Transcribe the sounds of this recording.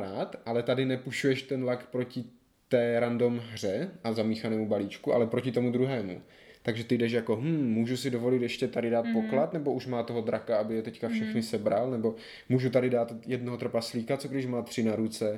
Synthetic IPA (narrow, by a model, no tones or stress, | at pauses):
ɾaːt̪ʔalɛt̪adɪnɛpuʃujɛʃt̪ɛnlakpɾo̞cɪ | t̪ɛːɾando̞mɦr̝ɛʔazamiːxanɛːmubaliːt͡ʃkuʔa̰lɛpɾo̞cɪt̪o̞mud̪ɾuɦɛːmṵ | t̪aɡʒɛt̪ɪdɛʃ̬jakoɦm̩ːuːʒusɪdo̞vo̞lɪt̪jɛʃcɛt̪adɪdaːt̪̚po̞klat̪nɛbo̞uʃmaːt̪oɦo̞d̪ɾakaabɪjɛt̪ɛckafʃɛxnɪsɛbɾalnɛbo̞ | muːʒut̪adɪdaːt̪jɛdnoɦot̪r̩pasliːkat̪t͡soɡdɪʃmaːt̪r̥ɪnaɾut͡sɛ